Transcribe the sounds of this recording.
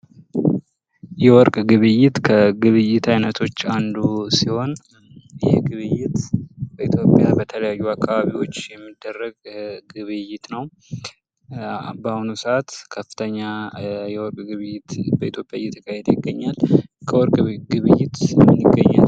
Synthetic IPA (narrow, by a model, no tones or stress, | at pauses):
jɛwɔɾkʼɡɨβɨjːɪt̪kʰəɡɨβɨjːɪt̪ʰajnət̪ʰo̞t͡ʃːand̪usiho̞n | ɨjɛhɡɨβɨjːɪt̪bəit̪ʰjo̞pʼjabət̪ʰələjajːuakʰːaβaβiwo̞t͡ʃːjɛmːid̪ːərːəɡɡɨβɨjːɪt̪nəw | bahunusəʔat̪kʰəfɨ̥t̪ʰəɲːajɛwɔɾkʼɡɨβɨjɪt̪bəʔit̪ʰjo̞pʼjajɛt̪ʰːə̥kʰahed̪əjɪɡːəɲːalkʰəwɔɾkʼɡɨβɨjːɪt̪ɨnːɨɡːəɲːa̰l